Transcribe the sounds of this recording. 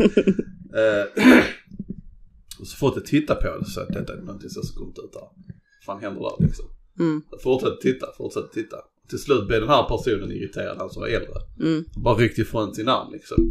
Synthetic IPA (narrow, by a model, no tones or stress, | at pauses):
ɔsɔ̥fɔt̪d̪ɛt̪ʰɪt̪ːapʰɔd̪ɛsɔ̰a̰t̪̚d̪ɛt̪ːaɛɾnɔnt̪ʰɪŋsɛsɔkɔmt̪ʉːt̪ʰa | afaːanɦɛnd̪əɾdæ̰ɾlɪksɔm | afʊʈʂɛt̪ːə̥t̪ʰɪt̪ːafʊʈsɛt̪ːə̥t̪ʰɪt̪ʰːa̰ɔt̪ʰɪlslʉ̟ːt̪̚bleːd̪ɛnhɦæːɾpʰæɾʂuːnənɪ̰ɾɪt̪ʰeːɾad̪hansɔmva̰ɾɛld̪ɾə̰bɑːɾaɾʏk̚t̪ɪfɾɔnt̪sɪnːa̰ɾmlʔɪksɔ̰m